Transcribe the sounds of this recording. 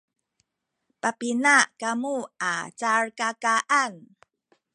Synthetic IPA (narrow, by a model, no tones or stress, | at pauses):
papinakamuat͡saɹkakaʔan